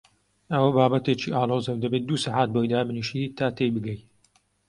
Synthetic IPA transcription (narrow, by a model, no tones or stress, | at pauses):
ɐwɐbaːbɐt̪et͡ʃiːʔaːloːzɐwd̪ɐbeːt̪̚d̪uːsaħat̪̚bojd̪aːmɨniʃit̪ʰaːt̪ejbɨɡɐj